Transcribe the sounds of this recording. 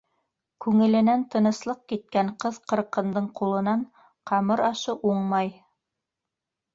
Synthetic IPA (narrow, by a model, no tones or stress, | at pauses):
kʉŋɘ̆lɘ̆nænt̪ɤ̆nɤ̆slˠɤq̚kit̪̚kæɴqɤðqɤ̆ɾqɤ̆nd̪ɤɴqulˠɤ̆nɑɴ | qʰɑmɤɾɑʃɤʔuɴmɑj